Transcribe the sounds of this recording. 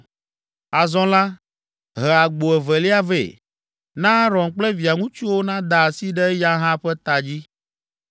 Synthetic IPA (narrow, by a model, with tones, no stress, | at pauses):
a˨zɔ̃˦la˦ | ɦɛ˨a˨ɡ͡bo˨ɛ˨vɛ˨lɛ˦a˦vḛ˨ | nã˦ɾɔ̃˨ŋk͡plɛ˦vi˨a˨ŋũ˦t͡ʃu˦wo˦nã˦d̪a˨si˦ɖɛ˦ja˦ɦã˦ɸɛ˦t̪a˨d͡ʑi˦